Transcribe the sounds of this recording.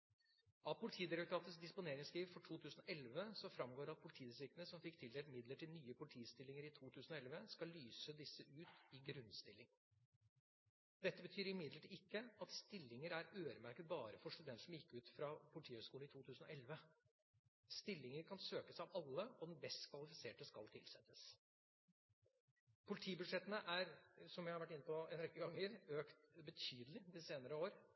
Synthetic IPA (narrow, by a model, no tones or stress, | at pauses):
ʔɑʋpʰʊlɪt̪ʰiːd̪ɪɾɛkt̪ʰɑːt̪əsd̪ɪspʊneːɾɪŋskiːʋfɔʈʰuːt̪ʰʉːsənɔʔɛlʋəsɔfɾɑmɡoːɖɛɑt̪̚pʰʊlɪt̪ʰiːɾɛsɪkənəsɔmfɪkt̪ʰɪld̪eːmɪd̪ləʈʰɪlnyːəpʰʊlɪt̪ʰiːst̪ɪlːɪŋəɾɪt̪ʰuːt̪ʰʉːsnɔɛlʋəskɑlːyːsəd̪ɪsːəʔʉːt̪ɪɡɾʉnst̪ɪlːɪŋ | d̪ɛt̪ːəbət̪ʰyːɾɪmɪd̪ləʈʰɪɪkːəɑt̪st̪ɪlːɪŋəɾæɾøːɾəmæɾkət̪̚bɑːɾəfɔʂt̪ʉd̪ɛnt̪ʂɔmjɪkːʉːt̪fɾɑpʰʊlɪt̪ʰiːhøskuːlɪt̪ʰuːt̪ʰʉːsn̩ɔ̰ʔɛlʋə | st̪ɪlːɪŋəɾkʰɑnsøːkəsɑʋɑlːəɔd̪ɛnb̪ɛst̪kʰʋɑlɪfɪseːʈəskɑlt̪ʰɪlsɛt̪ːəs | pʰʊlɪt̪ʰiːbʉd̪ʂɛt̪ːənəʔæɾsɔmjæɪhɑɾʋæʈːɪnːəpɔɛnɾɛkːəɡɑŋːəɾøːkt̪bət̪ʰyːd̪əlɪd̪ɪseːnəɾəoːɾ